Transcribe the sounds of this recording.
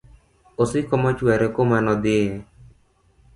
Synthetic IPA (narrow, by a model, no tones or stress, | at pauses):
osikɔmɔt͡ʃuɛɾekomanɔd̪ɪ